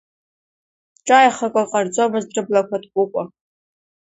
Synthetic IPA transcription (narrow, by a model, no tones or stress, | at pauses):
ʈ͡ʂʼajχakʷʼaqʼard͡zomɨzdrɨblakʷʰatʰɡʷukʷʼa